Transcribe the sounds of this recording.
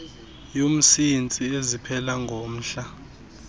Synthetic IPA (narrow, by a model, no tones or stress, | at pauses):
jom̩sint͡sʼiezipʰɛlaŋɡʱom̩ːɬa